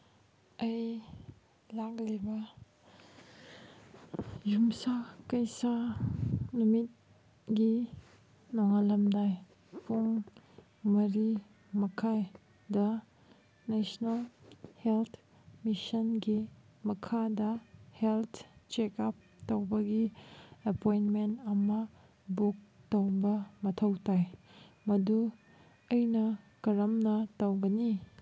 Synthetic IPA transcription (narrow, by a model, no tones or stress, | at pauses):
ɐj | laklibɐ | jumsakɐjsa | numit̚ | ɡi | noŋalɐmdaj | puŋ | mɐɾi | mɐkʰaj | dɐ | nesnɐlhelt̪ʰ | misɐnɡi | mɐkʰadɐheltʰt͡ʃekap̚tɐwbɐɡiɐpojntmentɐmɐ | buk̚tɐwbɐmɐtʰɐwtajmɐdu | ɐjnɐkɐɾɐmnɐtɐwɡɐni